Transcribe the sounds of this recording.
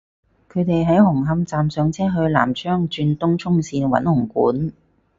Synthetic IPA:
kʰɵ˨˧ɥt̪e˨jɦɐ˨˥jɦʊ˨˩ŋɦɐ˧mt͡saː˨msœː˨˧ŋt͡sʰɛː˥ɦɵ˧ɥla̰ː˨˩mt͡ʃʰœː˥ŋt͡ʃyː˧nt̪ʊ˥ŋt͡sʰʊ˥ŋsiː˧nwɐ̰˨˥nhʊ˨˩ŋkṵː˨˥n

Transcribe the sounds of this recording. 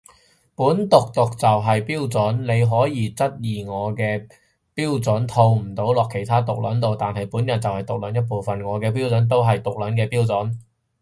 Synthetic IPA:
puː˨˥nt̪ʊ˨k̚t̪ʊ˨k̚t͡sɐ˨wɦɐ˨jpiː˥wt͡sɔ˨˥nne˨˧jɦɔː˨˥jiː˨˧t͡sɐ˥t̚jiː˨˩ŋɔː˨˧kɛː˧ | piː˥wt͡sʊ˨˥nt̪ʰo˧wm̩˨˩t̪o˨˥wlɔː˨kʰːe˨˩jt̪ʰaː˥t̪ʊ˨k̚lɐ̰˨˥nt̪o˨wt̪aː˨nhɐ˨jpuː˨˥njɐ˨˩nt͡sɐ˨whɐ˨jt̪ʊ˨k̚lɐ˨˥njɐ˥t̚po˨wfɐ˨nŋɔː˨˧kɛː˧p̬iː˥wt͡sɵ˨˥nt̪̬o˥wɦɐ˨jt̪ʊ˨k̚lɐ˨˥nkɛː˧piː˥wt͡sɔ˨˥n

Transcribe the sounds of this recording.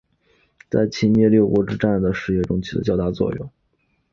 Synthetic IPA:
t͡sa˥˧˩ɪt͡ɕʰi˥njɛ˥˧ljo˥˩ʊkwɔ˧˥ʈ͡ʂɻ̩˥˧˥ʈ͡ʂa˥˩nd̪ə˩ʂɻ̩˥˧jɛ˥˩ʈ͡ʂʊ˥ŋt͡ɕʰi˥d̪ə̰˧t͡ɕjɑ˥˧ʊt̪a˥˧t͡swɔ̰˥˧jʊ̰˨˩˦ŋ

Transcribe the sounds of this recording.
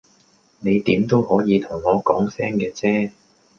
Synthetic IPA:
ne˨˧jt̪iː˨˥mt̪o˥whɔː˨˥jiː˨˧t̪ʰʊ˨˩ŋːɔː˨˧kɔː˨˥ŋsɛː˥ŋkɛː˧t͡sɛː˥

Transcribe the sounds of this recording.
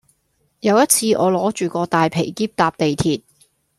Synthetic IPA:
jɐ˨˧wjɐ˥t̚t͡sʰiː˧ʔɔː˨˧lɔː˨˥t͡ʃyː˨˩kɔː˧t̪aː˨jpʰe˨˩jkiː˥p̚t̪aː˨p̚t̪e˨jt̪ʰiː˨t̚

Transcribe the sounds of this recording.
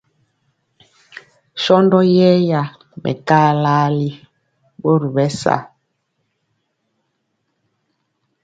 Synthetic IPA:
ʃɔ˦ndɔ˦jɛ˦ja˨ | mʔɛ̰˨kaː˦la˦li˦ | ɓo˦ɾu˨bɛ˦sa̰˦˨

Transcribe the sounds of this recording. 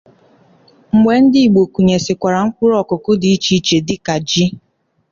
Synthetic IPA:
ŋ͡m̩˨ɡ͡bʷe˨˦n̩˦dɪ˦i˨ɡ͡bo˨ku˨ɲe˨sɪ˨kʷa˨ɾa˨ŋ̩˦kʷʊ˦ɾɔ˨kʊ˨kʊ˦di˨i˦t͡ʃi˦i˦t͡ʃe˨dɪ˦ka˨d͡ʒi˦

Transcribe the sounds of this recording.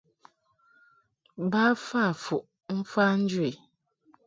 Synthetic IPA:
ba˦fa˦˨fu˨ʔ | n̩˦fa˦n̩˦d͡ʒwe˨

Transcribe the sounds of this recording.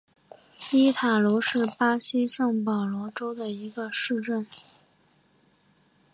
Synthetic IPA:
i˥t̪ʰa˨˩lu˧˥ʂɻ̩˥˩pa˥ɕi˥ʂɤ˥˩ŋpɑ˨˩ʊlwɔ˧˥ʈ͡ʂo˥ʊd̪ə˨i˧˥ɡə˧ʂɻ̩˥˧ʈ͡ʂə˥˩n

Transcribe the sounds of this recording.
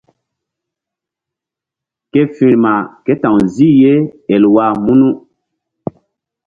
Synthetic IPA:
ke˦fĩ˨ɾma˨ke˦tã˨ŋzi˦je˦e˨lwa˦˨mu˦nu˦

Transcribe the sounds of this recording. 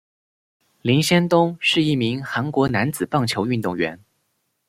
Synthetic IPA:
li˧˥nɕjɛ˥nt̪ʊ˥ŋʂɻ̩˥˧i˥˩mi˧˥ŋxa˧˥nkwɔ˧˥na˧˥nt͡sɹ̩˨˩pɑ˥˩ŋt͡ɕʰjo˧˥ʊy˥˧nt̪ʊ˥˩ŋɥɛ̰˧˥n

